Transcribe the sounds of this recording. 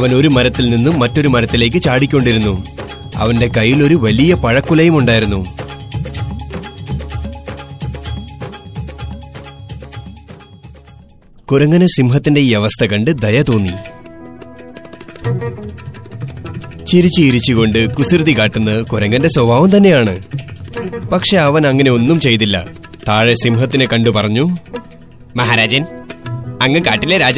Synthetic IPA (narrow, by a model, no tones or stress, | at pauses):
ɐʋɐno̞ɾumɐɾɐt̪ːilninːumːɐtːoɾumɐɾɐt̪ːile̞ːk̬ːɨt͡ɕaːɽikʲːo̞ɳɖiɾunːu | ɐ̰ʋɐnde̞kɐjːilo̞ɾuʋɐlijɐpɐɻɐkːulɐjumuɳɖaːjiɾunːu | kuɾɐŋːɐnɨsimɦɐt̪ːinde̞ieʋɐst̪ʰɐkɐɳɖɨd̪ɐjɐt̪o̞ːnːḭ | t͡ɕiɾit͡ɕːɨiɾit͡ɕːiko̞ɳɖɨkusurɨðikaːʈːunːɐkuɾɐŋːɐnde̞sobʱaːʋumt̪ɐnːe̞jaːɳɨ | pɐkʂe̞ɐʋɐnɐŋːɐne̞o̞nːumt͡ɕe̞jt̪̬ilːɐ̰t̪aːɻe̞simɦɐt̪ːinekɐɳɖɨpɐrɐɲːu | mɐɦaːɾaːd͡ʑɐn | ɐŋːɨkaːʈːileɾaːd͡ʑ